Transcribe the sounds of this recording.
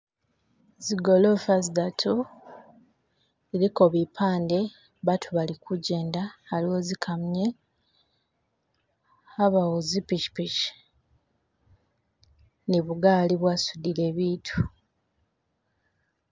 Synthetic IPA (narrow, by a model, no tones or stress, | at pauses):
ziɡo̞lo̞fazidatʰu | ziɾiko̞βipʰaːnde̞ | βatʰuβalikʰuɟe̞ːndaːliozikʰamɲe | aβawozipit͡ʃi̥pit͡ʃi̥ | niβuɡaːliβwasudile̞ːβiːtʰu̥